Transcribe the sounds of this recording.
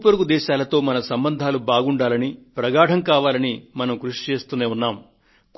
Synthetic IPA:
pɐɾuɡud̪ɛːʃaːlɐt̪o̞ːmɐnɐsɐmbɐnd̪ʱaːlubaːɡuɳɖaːlɐnipɾɐɡaːɽɐmkaːʋaːlɐnimɐnɐmkɾuʂi̥t͡ʃe̞ːst̪uneːunːaːm | k

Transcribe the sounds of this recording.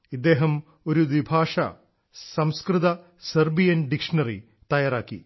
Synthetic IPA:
id̪ːeːɦɐm | o̞ɾuʋibʱaːʂɐ̰ | sɐmskrɨðɐ | sɐrbijɐnɖikʂɐnɐrḭ | t̪ɐjaːɾaːkːḭ

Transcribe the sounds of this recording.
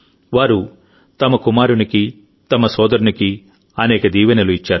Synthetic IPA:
ʋaːɾu | t̪ɐmɐkumaːɾuniki | t̪ɐmɐsɔːd̪ɐɾuniki | ɐnɛːkɐd̪iːʋɐnɐluit͡ʃːaːɾu

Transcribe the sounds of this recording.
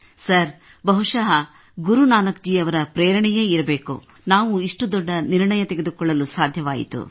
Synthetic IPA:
sɐɾ | bɐɦuʂaːɦɐ | ɡuɾunaːnɐk̚d͡ʒiɐʋɐɾɐpɾeːjɾɐɳɛjeːiɾɐbe̞ːkṵ | naːʋuiʂʈud̪ɔɖːɐniɾɳɐjɐt̪eɡed̪ukɔɭːɐlusaːd̪ʱjɐʋaːjḭt̪ṵ

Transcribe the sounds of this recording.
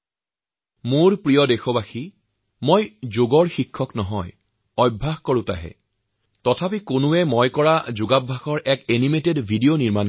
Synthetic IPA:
mʊɹpɹijɔdexɔbaxi | mojzoɡɔɹxikʰːɔknɔɦɔj | ɔjbʱːaɦkɔɹʊ̃ta̰ɦɛ̰ | tɔtʰapikonʊɛmɔjkɔɹazʊɡabʱːaxɔɹʔɛkenimetedbʱidijoniɹman

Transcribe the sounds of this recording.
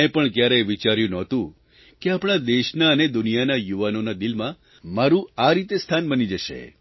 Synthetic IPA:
epəɳkjaɾeʋit͡ʃaɾjũnɔt̪ũ | keapɽ̃ad̪eʃnaəned̪ʊnijanajuʋanonad̪ilmã | maɾũaɾit̪est̪ʰanbənid͡ʒəʃḛ

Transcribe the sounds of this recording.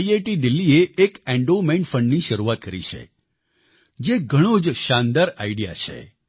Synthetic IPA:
ieʈid̪ɪlːieʔːkɛ̃ɳɖomẽɳɖfəɳɖniʃəɾuat̪̚kəɾḭt͡ʃʰḛ | d͡ʒeɡʱəɽ̃od͡ʒʃãnd̪aɾaiɽija̰t͡ʃʰḛ

